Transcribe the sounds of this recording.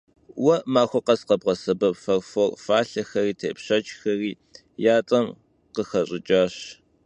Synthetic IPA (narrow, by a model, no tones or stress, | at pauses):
wɐʔmaːxʷɐqɐsqɐbʁɐsɐbɐpfɐrfɐrfaːɬɐxɐriːtʰeːpɕɐt͡ʃʼxɐriː | jaːt͡sʼɐm | qəxɐɕʼɪt͡ʃʼaːɕ